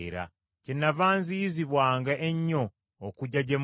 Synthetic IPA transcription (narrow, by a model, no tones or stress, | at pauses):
ɾa̰ | cenːavaːnzijiziβwaːŋɡaʔeɲːo̞ː | kuɟaɟem